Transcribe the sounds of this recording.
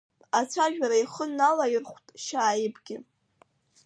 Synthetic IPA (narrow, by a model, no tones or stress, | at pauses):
at͡sʷʰaʒᶣaɾaiχənːalajɪrχʷtʼʃaːjɪbɡʲɪ